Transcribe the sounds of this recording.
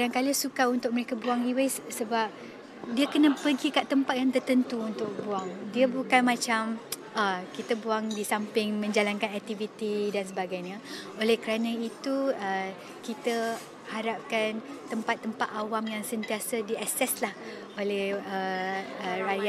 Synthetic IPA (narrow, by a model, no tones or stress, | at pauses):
ɾaŋkalisukaunt̪ʊk̚məɾekabuaŋiwessəbap̚ | diəkənə̃pəɡikaʔt̪əmpat̪̚jaŋt̪ərt̪ənt̪uːnt̪ʊk̚buaŋdiəbukanmãt͡ʃam | əkit̪əbuaŋdisampɪŋmə̃ɲd͡ʒalankanɛk̚t̪ivit̪idans̬əbaɡajɲə̃olɛhkəɾanãit̪uə | kit̪ə | haɾap̚kant̪əmpat̪ːəmpat̪awamjaŋsənt̪iasadiaksɛslah | olɛhəəraja